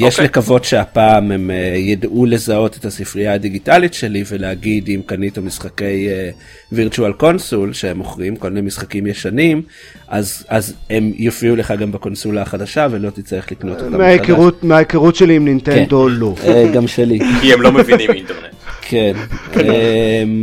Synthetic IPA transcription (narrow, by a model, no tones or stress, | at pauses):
jeʃlekavo̞tʃeapaːmemejadʔule̞zao̞te̞thasifʁiaːdiɡitalitʃe̞live̞leaɡidimkanitamisχake̞je | viʁtualko̞nsulʃeemo̞χʁimkolminemisχakimjeʃanim | ʔazaze̞mjofiule̞χaɡambako̞nsulaːχadaʃavelo̞t̪itt͡saʁeχlikno̞totːameakeʁutmeajekeʁutʃeliimnint̪end̪o̞loɡamʃelikiemlo̞meviniminteʁnetkʰenem